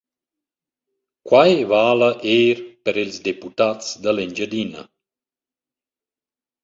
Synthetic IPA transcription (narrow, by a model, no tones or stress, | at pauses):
kwajvaːləʔeːɾpəɾilzd̪eput̪at͡sd̪aleɲd͡ʒəd̪inə̰